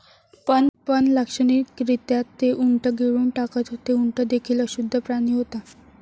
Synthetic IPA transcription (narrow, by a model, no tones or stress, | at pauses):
pənpənləkʂənikɾit̪jat̪ːeʔuɳʈəɡeɭuːɳʈakət̪ɦot̪euɳʈəd̪ekʰiːləɕud̪ʱːəpɾaɽ̃iːɦot̪a